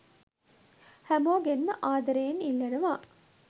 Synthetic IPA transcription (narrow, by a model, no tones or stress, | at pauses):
hæmoːɡenməʔaːd̪ɐɾeːnilːɐnɐʋaː